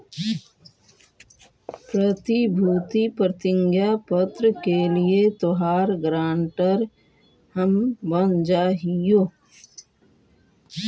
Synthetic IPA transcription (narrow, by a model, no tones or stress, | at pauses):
pɾət̪ibʱuːt̪ipɾət̪ɪ̃ŋɡjapət̪ɾəkeliet̪oɦaːɾɡɾaːɳʈəɾ | həmbənd͡ʒaːɦijoː